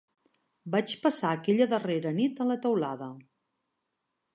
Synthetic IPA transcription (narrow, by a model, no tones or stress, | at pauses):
bat͡ʃpəsaːkɛʎəðəreɾənit̪ələt̪əwlaðə